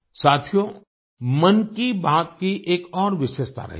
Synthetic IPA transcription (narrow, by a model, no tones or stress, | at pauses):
saːt̪ʰijo | mɐnkibaːt̪kiʔeːkɔːɾʋɪʃeːʃt̪ʰa̰ɾɐ̰ɦi